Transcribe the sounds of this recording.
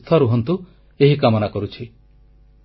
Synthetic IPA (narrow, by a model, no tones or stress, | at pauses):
t̪ʰaɾuɦɔnt̪u | eɦikamɔnakɔɾut͡ʃʰi